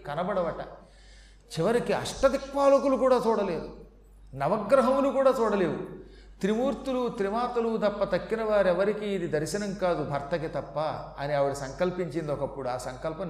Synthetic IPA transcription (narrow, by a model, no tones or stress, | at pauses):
kɐnɐbɐɽɐʋɐʈɐ̰ | t͡ʃiʋɐɾikiɐ̰ʂʈɐd̪ikʋaːlɐkulukuːɽaːt͡ʃuːɽɐle̞ːd̪u | nɐʋɐɡɾɐɦɐmlukuːɽaːt͡ʃuːɽɐle̞ːwu | t̪ɾimuːɾt̪ulut̪ɾiʋaːt̪ɐlud̪ɐpːɐt̪ɐkːinɐʋaːɾɛʋɐɾikiːd̪id̪ɐɾʃɐnɐmkaːd̪ubʱɐɾt̪ɐkit̪ɐpːɐɐniɐʋuɽisɐŋkɐlpiɲt͡ʃind̪oɔːkɐpːuɽuaːsɐŋkɐlpɐm